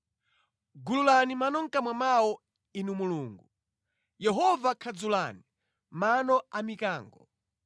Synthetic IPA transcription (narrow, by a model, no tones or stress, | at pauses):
ɡululanimanɔŋ̩kamwamawɔ | inumuluːŋɡu | jɛɦɔvakʰad͡zulani | manɔamikaːŋɡɔ